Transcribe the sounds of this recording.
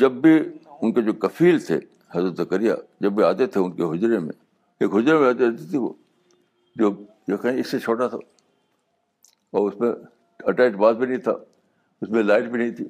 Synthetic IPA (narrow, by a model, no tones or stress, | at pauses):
d͡ʒɐbːiʊnked͡ʒoːkɐfiːlt̪ʰḛ | hɐzɾət̪zɐkəɾija̰d͡ʒɐbːiaːt̪et̪ʰeʊnkeɦʊd͡ʒɾemḛ̃ | eːkɦʊd͡ʒɾemẽaːt̪et̪it̪ʰio̰ː | d͡ʒoː | jekɛɦẽɪsːet͡ʃʰoːʈat̪ʰa̰ː | ɔːɾʊsmẽ | ɐʈaːɪʈbaːd̪̚bʱinɐɦĩt̪ʰa̰ː | ʊsmẽlaːɪʈbʱinɐɦĩt̪ʰiː